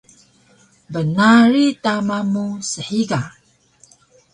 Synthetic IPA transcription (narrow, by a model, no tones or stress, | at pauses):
bənaɾitamamusəħiɡa